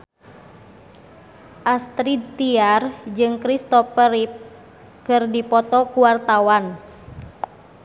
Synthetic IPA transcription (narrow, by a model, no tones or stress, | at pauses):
ʔast̪ɾit̪iard͡ʒɨŋkɾist̪ɔpəɾip̚ | kɨrdipɔt̪ɔkuwart̪awan